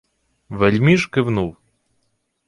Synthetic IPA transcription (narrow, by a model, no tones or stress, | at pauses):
ʋɛlʲmʲiʃkɪwnuw